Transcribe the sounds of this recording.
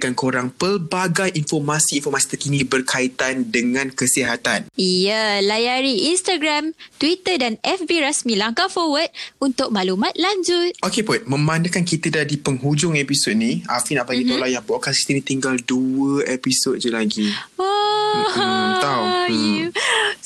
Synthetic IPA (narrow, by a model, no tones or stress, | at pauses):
kankoɾaŋpəlbaɡajʔinfɔrmasiːnfɔrmasi̥t̪əkinĩbərkʰait̪andəŋãnkəsiɦat̪anijəlajaɾiʔinst̪aɡɾamt̪wit̪ədanɛfbiɾasmĩlaŋkafɔwəd̚unt̪ʊk̚malumãt̪̚laɲd͡ʒʊt̪̚okeput̪̚mə̃manəkankit̪ədadipəŋɦud͡ʒʊŋepisot̪̚nĩafinaʔpanĩt̪olajaŋbaʔkasi̥t̪ənĩt̪iŋɡalduəepisot̚d͡ʒəlaɡio | t̪a